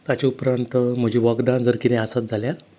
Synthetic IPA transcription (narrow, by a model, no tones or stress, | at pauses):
t̪at͡ɕaupɾant̪m̤əd͡ʑʱiːʋaɡd̪and͡zəɾkit̪ɛ̃asat̪̚d͡zʱaljaɾ